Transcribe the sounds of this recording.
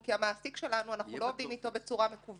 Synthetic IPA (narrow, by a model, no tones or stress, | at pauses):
kiamaːsikʃe̞lanuanaχnulo̞ovd̪imit̪o̞be̞t͡suʁame̞kuv